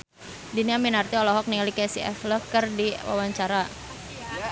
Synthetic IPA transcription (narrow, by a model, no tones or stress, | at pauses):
diniaminart̪iɔlɔɦɔk̚niŋlikɛsḭʔɛ̰fləkɨrdiwa̰waɲt͡ʃaɾa